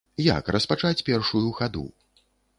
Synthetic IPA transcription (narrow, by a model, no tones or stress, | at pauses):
ja̰krɐspat͡ʂat͡sʲpʲɛrʂujuɣad̪ṵ